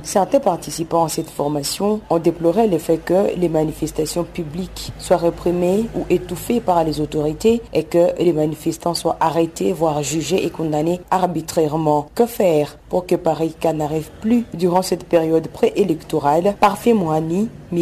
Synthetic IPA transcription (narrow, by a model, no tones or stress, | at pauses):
sɛʁt̪ɛ̃paʁt̪isipɑ̃asɛt̪fɔʁmasjɔ̃ɔ̃d̪eplɔʁɛləfɛkəlemanifɛst̪asjɔ̃pyblikswaʁepχimeuʔet̪ufepaʁlezot̪oʁit̪eekəlemanifɛst̪ɑ̃swaʔaʁet̪ʰevwaʁʒyʒeʔekɔ̃d̪aneaʁbit̪χɛʁmɑ̃kəfɛːʁpuʁkəpaʁikanaʁivplyd̪yʁɑ̃sɛt̪peʁjɔd̪pχeʔelɛkt̪oʁalpaʁfɛmwani | m